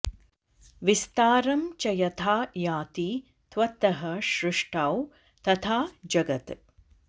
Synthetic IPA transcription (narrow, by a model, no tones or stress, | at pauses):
ʋist̪aːɾɐmt͡ʃɐjɐt̪ʰaːjaːt̪i | t̪ʋɐt̪ɐɦɐʃɾɪʂʈʰaːw | t̪ɐt̪ʰaːd͡ʒɐɡɐt̪